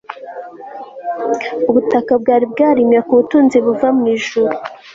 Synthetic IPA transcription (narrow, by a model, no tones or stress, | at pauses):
uβutakabɡaːɾibɡaːɾimjakuβutuːnziβuvamŋiːʒuɾu